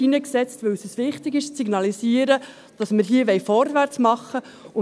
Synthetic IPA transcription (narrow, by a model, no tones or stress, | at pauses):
inəksɛt͡stʋɵwsəsʋɪχtɪɡɪʃt͡siɡnɑlisiəɾə | d̥ɑsməɾɦiəʋɛjfɔɾʋæɾt͡smɑχːə | ʊ